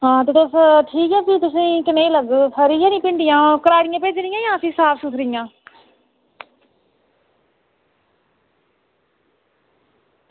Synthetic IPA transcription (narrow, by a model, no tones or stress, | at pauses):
ɦãːt̪eʈosʈʰiːkɛːpiːt̪ʊsĩːkɪneːləɡpʰəɾiːjãːnĩːpɪɳɖɪjãːkəɾaːɾɪjãːpeːd͡ʒɾɪjãːjãːəsĩːsaːpsʊt̪ʰɾɪjãː